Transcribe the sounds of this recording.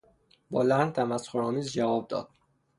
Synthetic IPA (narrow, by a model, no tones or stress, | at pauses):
bɒːlænd̪̚t̪ʰæmæsxoɾɒːmiːzd͡ʒævɒːb̚d̪ɒ̰ːd̪̥̚